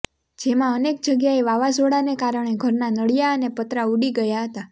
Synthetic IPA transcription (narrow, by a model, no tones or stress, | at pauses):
d͡ʒemãənek̚d͡ʒəɡjaeʋaʋasoɽanekaɾəɳ̃eɡʱəɾnanəɽijaənepət̪ɾauɽiɡəjaɦət̪a